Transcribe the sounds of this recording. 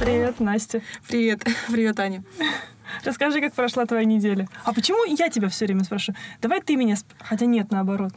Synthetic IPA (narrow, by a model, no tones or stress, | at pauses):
pɾʲɪvʲe̞t̪nasʲtʲɪpɾʲɪvʲe̞t̪pɾʲɪvʲe̞t̪anʲɪ | rəskɐʐɨkak̚pɾɐʂlˠat̪vɐjanʲɪdʲelʲəɐpət͡ɕɪmujatʲɪbʲafsʲɵvɾʲemʲəspɾɐʂud̪̥ɐvajt̪ɨmʲɪnʲasxɐtʲanʲe̞t̪nəɐbɐɾo̞t̪